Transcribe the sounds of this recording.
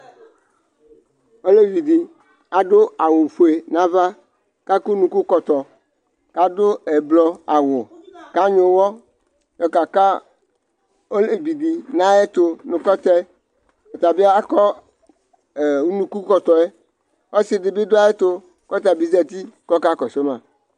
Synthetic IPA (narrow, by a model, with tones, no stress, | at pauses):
o˦le˦vi˨di˨ | a˨dʊ˦a˨wʊ˨fu˨e˨nã˦va˦ | ka˦ku˦nũ˨ku˦kɔ˨t̪ɔ˨ | ka˦dʊ˦e˨blɔ˦a˨wʊ˨ka˦ɲʊ̃˨˦wɔ˦ | jɔ˨ka˨ka˦ | o˦le˦bi˨di˨nã˦e˦t̪o˨nʊ̃˨kɔ˦t̪ɛ˦ | o˨t̪a˨bi˦a˦kɔ˦˨˦ | nũ˦ku˦kɔ˨t̪ɔ˨e˦ | ɔ˦sɪ˨ɖɪ˨bɪ˦dʊ˦a˦e˦t̪o˦ | kɔ˦t̪a˨bi˦zɛ˦t̪i˦kɔ˦ka˦kɔ˨se˦mã̰˨